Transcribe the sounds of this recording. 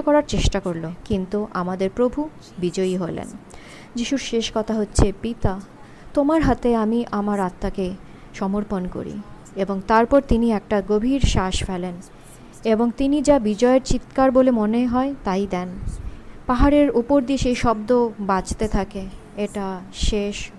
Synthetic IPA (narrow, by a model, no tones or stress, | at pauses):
kɔɾaɾt͡ɕeʃʈakoɾlokint̪uʔa̰mad̪eɾpɾobʱu | bid͡ʑoiɦolḛn | d͡ʑiʃuɾʃeʃkɔt̪ʰaɦotːɕʰepit̪a | t̪omaɾɦat̪eamiʔamaɾat̪ːake | ʃɔmoɾponko̰ɾḭ | eboŋt̪aɾpɔɾt̪iniɛk̚ʈaɡobʱiɾʃaʃfɛlen | eboŋt̪inid͡ʑabid͡ʑɔeeɾt͡ɕit̪kaɾbolemoneɦɔet̪ajd̪ɛn | paɦaɾeɾupoɾd̪ieʃejʃɔbd̪obad͡ʑt̪et̪ʰake | eʈaʃeʃ